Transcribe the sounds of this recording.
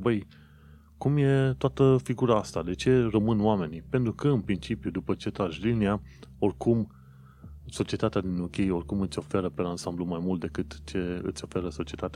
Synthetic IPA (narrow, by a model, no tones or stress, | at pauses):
bəj | kumje̞t̪oat̪əfiɡuɾaast̪ad̪e̞t͡ʃe̞rəmɨnoame̞nipe̞nt̪ɾukəɨnpɾint͡ʃipjud̪upət͡ʃe̞t̪ɾaʒlilnia | o̞rʲkum | so̞t͡ʃie̞t̪at̪ead̪inukʲejo̞rʲkumɨt̪sʲo̞fe̞ɾəpelansamblumajmult̪̚d̪e̞kɨt̪t͡ʃe̞ɨ̰t̪sʲo̞fe̞ɾəso̞t͡ʃie̞t̪at̪aa